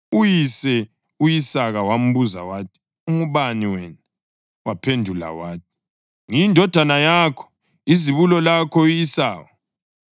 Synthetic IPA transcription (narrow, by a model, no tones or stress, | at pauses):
ujisɛ | ujisaɣawam̩βuza̰waːtʰi̥ | uŋuβaniwɛna | wapʰendʱula̰waːtʰi̥ | ŋindʱɔd̥ʱanajaːkʰɔ̥ | iziβulɔlakʰɔijisaːwɔ